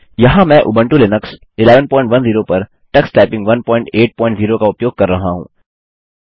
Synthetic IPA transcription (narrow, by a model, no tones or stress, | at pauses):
jɐɦãmɛ̃ʔʊ̰bə̃ɳʈulɪnəks | ɪleːʋənpɔːɪ̃ɳʈʋɐnziːɾopɐɾ | ʈɐksʈɛːpɪ̃ŋɡʋɐnpɔ̃ːɪ̃ɳʈeːʈ̚pɔːɪ̃ɳʈziːɾokaʊpjoːɡ̚kɐɾːɐɦaɦṵ̃ː